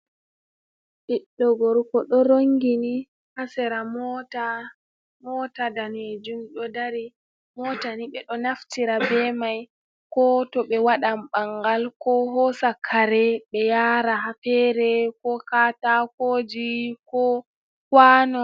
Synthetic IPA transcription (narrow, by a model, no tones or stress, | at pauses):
ɓiɗːɔɡɔɾkɔɗɔɾoŋɡini | hasɛɾamɔta | mɔtadaned͡ʒumɗɔdaɾi | mɔtaniɓɛɗɔnaftiɾabɛmaj | kɔtɔɓɛwaɗamɓaŋɡalkɔɦɔsakʰːaɾɛɓɛjaːɾaɦapɛɾɛkɔkatakod͡ʒikɔ | kwanɔ